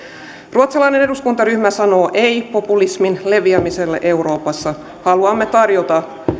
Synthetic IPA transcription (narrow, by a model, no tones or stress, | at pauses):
ruot̪selɑjne̞ne̞duskunt̪ɑɾyhmæsɑno̞ːʔe̞jpo̞pulisminle̞ʋiæmise̞lːeʔe̞uɾo̞ːpɑsːɑ | hɑluɑmːe̞t̪ɑrjot̪ɑ